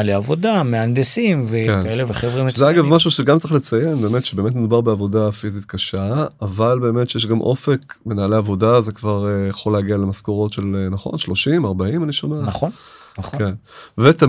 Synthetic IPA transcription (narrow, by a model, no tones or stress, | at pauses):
leavod̪ameand̪esimvekenaeleveχevʁimzeaɡavmaʃ̬uʃeɡamt͡saʁiχlet͡sajenbe̞ːmetʃebe̞ːme̞tnedubaʁbeavo̞dafizit̪kaʃaavalbe̞ːme̞tʃejeʃ̬ɡamʔo̞̰fekme̞naːleavo̞dazekvaʁejeχoleːɡialemaskoʁo̞tʃe̞lenaχo̞̰nʃlo̞ʃimaʁbaimaniʃomenaχonχkenvet̪a